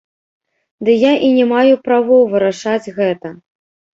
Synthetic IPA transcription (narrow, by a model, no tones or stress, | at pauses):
d̪ɨjaʔinʲɛmajupɾavɔwvɨɾaʂad͡zʲɣɛt̪ɐ